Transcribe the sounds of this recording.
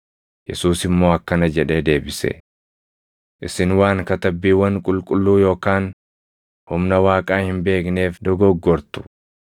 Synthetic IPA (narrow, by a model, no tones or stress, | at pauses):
jɛsuːsɪmːo̞ːɐkːɐnɐd͡ʒɛᶑe̞ːd̪e̞ːbɪsɛ̰ | ʔɪsɪnwaːŋkɐt̪ɐbːiːwɐŋkʼʊlkʼʊlːuːjo̞ːkaːn | hʊmnɐwaːkʼaːhɪmbe̞ːkne̞ːfd̪ɔɡɔɡːɔɾt̪ʊ̥